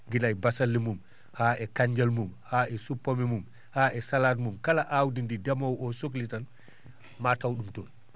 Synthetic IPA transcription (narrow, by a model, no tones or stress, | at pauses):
ɡilajbasalːimum | haʔɛkaɲd͡ʒalmumhaːɛsupːɔmɛmum | haʔɛsalaːdmumkalaʔawdindidamawɔsok̬litan | matawɗumtɔn